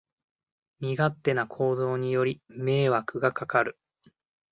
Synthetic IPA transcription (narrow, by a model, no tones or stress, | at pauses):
mʲiɡat̪ːe̞nakʰo̞ːd̪o̞ːɲ̟ijo̞ɾʲime̞ːβakɯ̟ɡakakaɾɯ̟